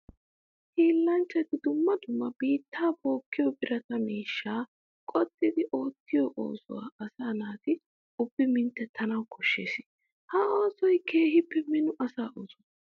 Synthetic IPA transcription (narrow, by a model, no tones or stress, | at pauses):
hiːlːɐnt͡ʃːɛt̪ɪd̪ʊmːɐd̪ʊmːɐb̥iːt̪ːaːbo̞ːkːɪjɔbɪɾɐt̪ɐmiːʃːaː | kʼɔt̪ʼːɪd̪ɪʔo̞ːt̪ːɪjɔʔo̰ːsɔ̰wa̰ːɐsaːnaːt̪ɪ | ʊbːɪmɪnt̪ːɛt̪ʰɐnɐwkʰɔʃːḛːsɪ̥ | hɐo̞ːsɔjke̞ːhɪpːɛmɪnʊʔɐsaːʔoːsɔ